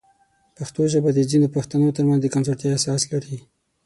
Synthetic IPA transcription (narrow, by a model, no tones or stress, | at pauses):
paxt̪oʒəbad̪əzind̪opaxt̪anot̪əɾmanzd̪əkanzoɾt̪jɑasɑslaɾi